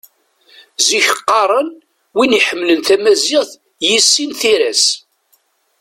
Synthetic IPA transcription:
ziçəqːɑɾˤən | winiħəmːlənθæmæziʁθ | jisːinθiɾæs

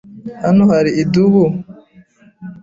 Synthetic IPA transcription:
hanohaɾiiduβu

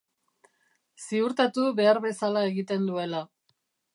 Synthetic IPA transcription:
siuɾt̪at̪uβe̞aɾβe̞salae̞ɣit̪e̞nd̪ue̞la

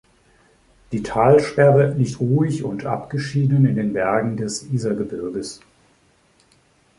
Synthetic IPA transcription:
d̥iːtʰaːlʃtɛɐbənɪçtʁuːɪçʊntʔa̰pɡ̥əʃiːdənɪndeːnbɛɐɡŋ̩dɛsʔiːzɐɡəbɪɐɡəs

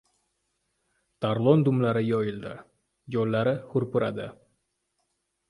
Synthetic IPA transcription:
t̪ʰaɾlˠond̪ʊmlaɾɪjɒjɪld̪ɪ̰ | jolːaɾɪhʊɾpʊɾad̪ɪ

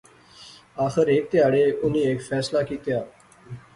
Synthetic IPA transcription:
aːxɪɾeːk̚t̪ɪjaːɽeːʔʊnĩːeːkfʰɛːslaːkiːt̪ɪjaː

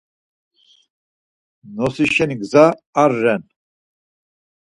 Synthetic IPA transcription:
nɔsiʃɛniɡzaːɾːɛn

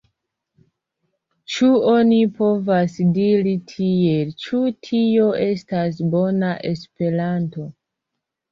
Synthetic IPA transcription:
t͡ʃuo̞nipo̞vasdiɾitʰie̞lt͡ʃutʰio̞ʔe̞stas̬bo̞naʔe̞spe̞ɾanto̞

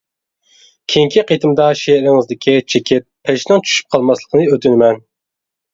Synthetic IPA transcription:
kʲʰiŋkʰʲiqʰet̪ʰɨmd̪ɑʃeɾɪŋɪzd̪ɪkʲʰit͡ʃʰekʲʰɪt̪̚pʰeʃnɪŋt͡ʃʰy̥ʃy̥p̚qʰɑlˠmɑslˠəqʰənɨøt̪ʰynɪmɛn

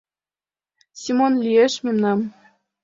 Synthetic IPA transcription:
sʲimonlʲieʃmʲemnɑm

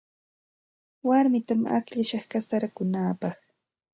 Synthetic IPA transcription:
waɾmɪt̪ama̰kʎaʃɑχkasaɾakʊnaːpɑχ

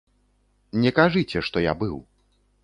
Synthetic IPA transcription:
nʲɛkaʐɨt͡sʲɛʂt̪ɔja̰bɨw

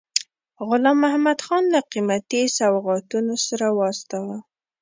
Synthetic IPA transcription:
ɣʊlɑmahmad̪xɑnləqimat̪isawɣɑt̪unosaɾawɑst̪ɑwa

